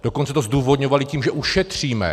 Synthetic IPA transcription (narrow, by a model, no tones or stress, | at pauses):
d̥o̞kont͡sɛt̪ozduːvod̪ɲovalɪciːmʒɛʔuʃɛt̪r̝̥iːmɛ̰